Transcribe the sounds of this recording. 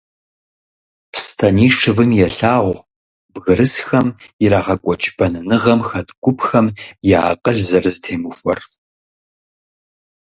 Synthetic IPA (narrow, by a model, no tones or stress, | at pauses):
pstʰɐniːʂɨvɨmjɛɬaːʁʷ | bɣɨɾɨsxɐmjɪɾaːʁɐkʷʼɔt͡ʃʼbɐnɨnɨʁɐmxɐtɡʷʊpxɐmjaːqʼəɮzɐrɨzɨtʰeːmɨxʷɔ̰r